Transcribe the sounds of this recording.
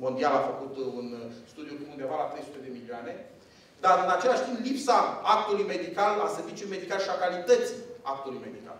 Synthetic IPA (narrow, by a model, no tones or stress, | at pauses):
mo̞nd̪ialafəkut̪unst̪ud̪ijuluund̪evalat̪ɾejsu̥t̪e̞d̪e̞milioane̞ | d̪arɨnat͡ʃe̞laʃt̪implipsaak̚t̪ulujme̞d̪ikala̰se̞rvit͡ʃuluijme̞d̪ikaleʃiakalit̪ət̪siak̚t̪ulujme̞d̪ika̰l